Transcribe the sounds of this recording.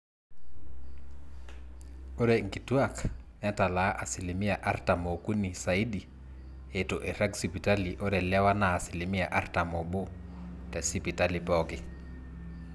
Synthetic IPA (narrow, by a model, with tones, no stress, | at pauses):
o˦ɾɛ˨ŋɡi˨tu˦a˦knɛ˦ta˨la˨˦ʔa˨si˨li˨mi˦a˨ʔa˦ɾta˨mo˨ku˦ni˨sa˨i˦di˨ | e˨tʊ˨ʔɛ˨ɾa˦ɡsi˨pi˨ta˦li˨ʔo˦ɾɛ˨lɛ˦wa˦naː˨si˨li˨mi˦a˨ʔa˦ɾta˨mɔ˨bo˦ | tɛ˨si˦pi˨ta˦lipɔkɪ